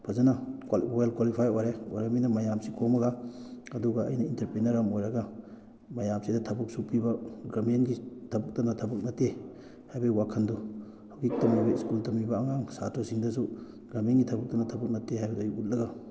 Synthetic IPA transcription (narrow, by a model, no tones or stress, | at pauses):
pʰɐzɐnawalkwalipʰajojɾeojɾaminɐmɐjamsikʰomɐɡaɐduɡɐɐ̰jnɐintɐɾpɾinɐɾamojɾɐɡɐ | mɐjamsidɐtʰɐbɐk̚supibɐɡɾamenɡitʰɐbɐk̚tɐnɐtʰɐbɐk̚nɐte | hajbɐiwakʰɐndu | hawɡik̚tɐmibɐiskultɐmibɐːŋaŋsatʰosiŋdɐs̬u | ɡɾɐmenɡitʰɐbɐk̚tɐnɐtʰɐbɐk̚nɐtːehajbɐdojiut̚lɐɡa